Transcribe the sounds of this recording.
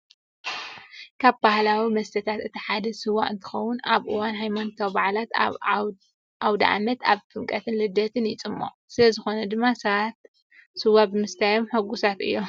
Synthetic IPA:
kʰabbahlawimɐst̪ʰɐt̪ʰat̪ɨt̪ʰiħad̪ɐsɨwːa̰ʔɨnt̪ʰɨ̥xɐwːʊna̰βʔɨwanɦajmant̪ʰɐwβaʕlat̪ | ʔawd̪ɐʔa̰mɐt̪aβfɨŋkʼɐt̪ʰɨnlɨd̪ɐt̪ʰɨnjɪt͡sʼɨmːo̰ʔsɨlɐzɨxo̞nɐd̪ɨmːast̪ | sɨwːabɨmɨst̪ʰajo̞mħoɡusat̪ɨ̰jːo̞m

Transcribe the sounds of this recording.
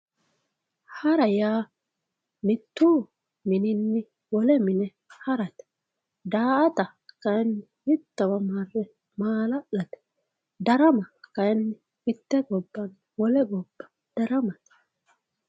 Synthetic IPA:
hɐɾɐjaː | mɪt̪ːuː | mɪnɪnːɪ | wɔlɛmɪnɛ | hɐɾɐt̪ɛ̥ | d̪aːʔɐt̪ɐ | kɐjnː | mɪt̪ːɐwɐmɐrːɛ | maːlɐʔɐt̪ɛ̥ | d̪ɐɾɐmɐkɐjnːɪ | ɪt̪ːɛbɔbːɐn | wɔlɛbɔbːɐ̥ | d̪̥ɐɾɐmɐt̪ɛ̥

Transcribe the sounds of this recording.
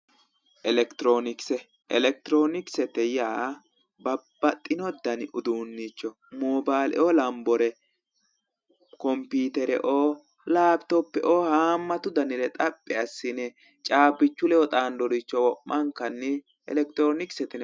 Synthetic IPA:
ʔɛlɛkt̪ɪɾoːnɪksɛ | ʔɛ̰lɛk̚t̪ɪɾoːnɪksɛt̪ɛjaː | bɐbːɐt̪ʼːɪnɔd̪ːɐnʔʊd̪uːnːit͡ʃːɔ | moːbaːlʔɛ̰ɔlɐmbɔɾɛ | kɔmpiːt̪ɛɾɛ̰ʔoː | laːbt̪ɔpːɛʔoːhaːmːɐt̪ʊd̪ɐnɪɾɛt̪ʼɐpʼːɛɐsːɪnɛ | t͡ʃʼaːbɪt͡ʃːʊlɛwɔt̪ʼaːnd̪ɔɾɪt͡ʃːɔwɔpːɐŋkːɐnːɛ | ʔɛ̰lɛk̚t̪ɾoːnɪksɛt̪ɛn

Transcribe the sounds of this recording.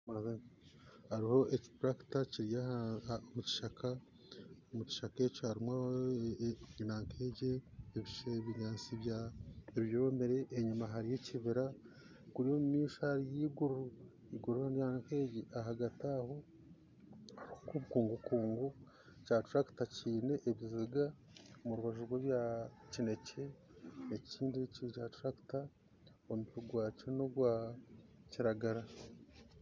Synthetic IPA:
maze | haɾiho̞ʔeci̥tɾaki̥taciɾijaomuci̥ʃakʰa | omuci̥ʃake̞ːt͡ʃohaɾimwa | inaːŋkʰe̞ɟeːβiʃeβiɲaːnt͡siβjaeβjoβmeɾe̞ʔːɲumaɦaɾijeciβiɾa | kuɾijomumiːʃaɾijiːɡuɾuɾu | iɡuɾuhonijanike̞ːɟiʔaɦaɡataho̞ | aukuβukuːŋɡukuːŋɡu | caːtɾaktaciːne̞ʔːβiziɡa | omuɾuβaʒuɾɡwoβjacine̞ce̞ | eciːndiicicaːtɾakta | omuhuɡwaːcenoɡwaː | ciɾaɡaɾa

